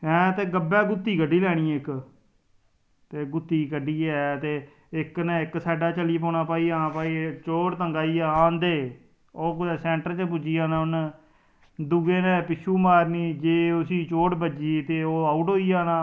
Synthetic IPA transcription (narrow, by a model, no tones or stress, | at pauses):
ɦɛ̃ːt̪eːɡəbɛːɡʊt̪ːiːkəɖiːlɛːɽ̃ĩːɪk | t̪eːɡʊt̪ːiːkəɖiːɛːt̪eː | ɪknɛːɪksaːɖaːt͡ʃəliːpɔ̃ːɳaːpaːiːaːpaːiːt͡ʃoːʈt̪əŋɡaːiːaːãːnd̪eː | oːkeːsɛ̃ːɳʈəɾt͡ʃəp̬ʊd͡ʒiːaːnãːʊn | d̪ʊɡeːnẽːpɪt͡ʃʰuːmaːɾniːd͡ʒeːʊsĩːt͡ʃoːʈbəd͡ʒiːt̪eːoːaːʊːʈoːiːaːnaː